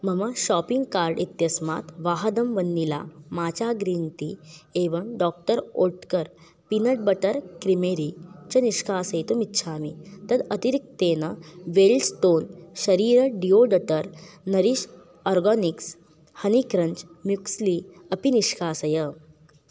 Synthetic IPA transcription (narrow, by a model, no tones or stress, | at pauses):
m̤əməɕɔpiŋɡkaɾɖit̪jɐsmat̪ʋaɦd̪əmʋənːila̰mat͡ɕaɡɾiːnt̪ieʋəmɖɔk̚ʈəɾoʈkəɾ | pinəʈ̚bəʈəɾkɾimeɾit͡ɕɐniʂkʰaːsəjt̪omitːɕʰaːmḭt̪əd̪ət̪iɾik̚t̪eːnəʋelsʈ̪oːnɕəɾiːɾəɖioɖəʈəɾnəɾiɕ | ɔɾɡɔniks | hənikɾəɲt͡ɕmjuksli | əpiniʂkʰaːsəjə